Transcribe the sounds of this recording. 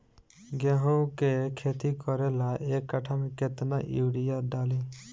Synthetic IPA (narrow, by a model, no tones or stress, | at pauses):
ɡeɦõkekʰeːt̪ikɔɾelaʔeːkːaʈʰamẽket̪naʔiwɽijaɖaːliː